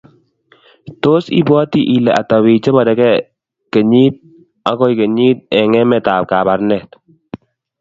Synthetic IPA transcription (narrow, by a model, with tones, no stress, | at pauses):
to˦sḭ˦bwɔ˦ti˦ʔi˨lɛ˨ʔa˨ta˨wi˨t͡ʃe˦mɔ˨dɛ˨kɛ˦ | ke˨ɲi˦t̚ | a˨kɔ˦i˨ke˨ɲi˦t̚ɛ˨ŋɛ˦mɛ˨ta˨p̚ka˨ba˨ɾnɛ˨t